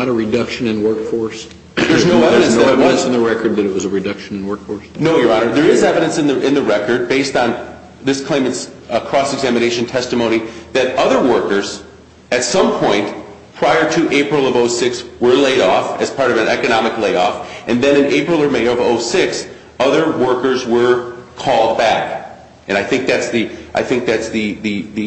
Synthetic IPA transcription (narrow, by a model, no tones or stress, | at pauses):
nɾəɹɨdʌkʃɨ̃nɨ̃nwɜ˞kfɔɹs | ðə˞znoʊɛvɨɾɨ̃nsðɨɛ̃nsn̩ðəɹɛkə˞d̪̚ðɨɾɨt̚wʌzəɹɨdʌkʃɨ̃nɨ̃nwɜ˞kfɔɹsnoʊjə˞ɑnə˞ðə˞ɪzɛvɨɾɨ̃nsɨ̃nðɨʔɨ̃nðɨɹɛkə˞d̚beɪstn̩ | ðɪskʰl̥ẽɪ̃mɨts | kʰɹ̥ɔsɨɡzæmɨneɪʃɨ̃n̩tʰɛstɨmõʊ̃ñiðɨɾʌðə˞wɜ˞kə˞z̥ | ɨtsʌ̃mpʰɔ̃ɪ̃nt | pʰɹ̥aɪə˞ɾɨʔeɪpɹl̩ˠʌvoʊsɪkswə˞leɪɾɔfɨz̥pʰɑɹɾʌvɨ̃nɛkɨnɑmɨkleɪɾɔfʔɨ̃nðɨ̃ñɨ̃neɪpɹl̩ˠə˞meɪʌvoʊsɪks | ʌðə˞wɜ˞kə˞zwə˞kʰɔlˠd̚bæk | ɨ̃naɪθɪ̃ŋk̚ðætsðɨʔaɪθɪ̃ŋk̚ðætsðɨðɨðɨ